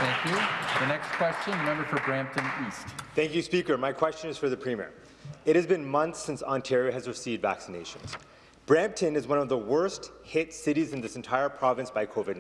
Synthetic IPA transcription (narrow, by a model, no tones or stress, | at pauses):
θæ̃ŋkjʉðɨnɛkskʰw̥ɛst͡ʃɨ̃nɹɨmɛ̃mbə˞fə˞bɹæ̃mp̚tʰɨ̃nistθæ̃ŋkjʉspikə˞maɪkʰw̥ɛst͡ʃɨ̃nɨz̥fə˞ðɨpʰɹ̥ĩmḭɹ | ɨt̚hɨzbɨ̃nmʌ̃nθsɪ̃nsɑ̃ntʰɛɹiɨɨzɹɨsivdvæ̰ksɨneɪʃɨ̰̃nz̥ | b̥ɹæ̃mp̚tʰɨ̃nɨzwʌ̃nʌvðəwɜ˞st̚hɪtsɪɾizɨ̃n̩ðɪsɨ̃n̩tʰaɪə˞pʰɹ̥ɑvɨ̃nsb̥aɪkʰoʊvɨdⁿ